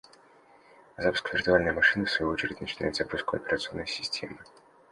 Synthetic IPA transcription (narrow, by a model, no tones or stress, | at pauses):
ɐzapskəvʲɪrt̪ʊalʲnəjəmɐʂɨnəfsvɐjuo̞t͡ɕɪɾʲɪtʲnət͡ɕɪna̰jɪt̪zɐpuskʊɐpʲɪɾət̪sɨo̞nːəjsʲɪsʲtʲʰe̞mɨ